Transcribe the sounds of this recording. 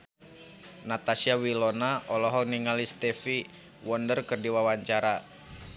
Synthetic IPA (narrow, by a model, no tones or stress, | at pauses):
nat̪asiawilɔnaɔlɔɦɔniŋalist̪ɛfi | wɔndərkərdiwawaɲt͡ʃaɾa